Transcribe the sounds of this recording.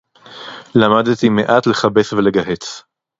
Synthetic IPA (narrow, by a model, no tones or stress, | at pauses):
lamad̪t̪imeʔat̪le̞χabesveleɡaɦet͡s